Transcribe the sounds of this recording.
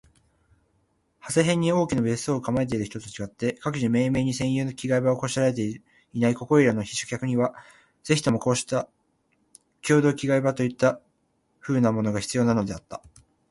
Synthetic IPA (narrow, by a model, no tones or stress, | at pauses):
hase̞ɦẽ̞ɲ̟ːio̞ːkʲinobe̞sɨ̥oːkamae̞t̪̬e̞iɾɯ̟çi̥t̪o̞t̪ot͡ɕiɡat̪ːe̞kakɯ̟ʑime̞ːme̞ːɲ̟isẽ̞ɰ̃jɯ̟ːnokʲiɡaibaoko̞ːɕiɾaɾe̞t̪e̞ | inaiko̞ko̞iɾanoçi̥ɕo̥kʲakɯ̟ɲ̟iβa | z̥e̞çi̥t̪o̞mo̞ko̞ːɕi̥t̪a | kʲo̞ːd̪o̞ːkʲiɡaibat̪o̞it̪ːa | ɸɯ̟ːnamo̞no̞ɡaçi̥t͡sɨjo̞ːnano̞d̪e̞at̪ːḁ